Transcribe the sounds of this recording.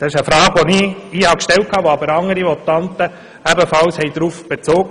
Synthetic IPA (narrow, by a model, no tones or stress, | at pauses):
d̪̥ɑɪʃəfɾɑːɡ̥ʋoniɪhɑkʃtɛlt̚kʰɑːʋoɑbəɾɑŋːəɾimɔt̪ɑnt̪ə | æbəfɑlshɛɪd̥̪ɾufb̥et͡soːɡə